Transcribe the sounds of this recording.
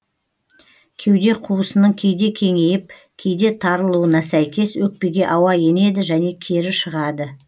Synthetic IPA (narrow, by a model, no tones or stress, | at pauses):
kʲʰe̞wd̪e̞qʰuəsənəɴkʲʰe̞jd̪e̞kʲʰe̞ŋe̞jɪp̚ | kʲʰe̞jd̪e̞t̪ʰɑɾəlˠuənɑsæjkʲe̞swɵk̚pe̞ɡʲe̞ʔɑwɑje̞ne̞d̪ɪʒæne̞kʲʰe̞ɾɪʃəʁɑd̪ə